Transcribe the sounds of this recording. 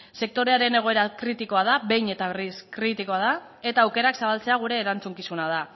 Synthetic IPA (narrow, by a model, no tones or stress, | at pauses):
se̞k̚t̪o̞ɾe̞aɾe̞ne̞ɣ̞o̞e̞ɾakɾit̪iko̞að̞aβe̞jɲe̞t̪aβe̞riskɾit̪iko̞aða | e̞t̪aːwke̞ɾaksaβalt͡seaɣ̞uɾe̞ːɾant͡suŋkisunað̞a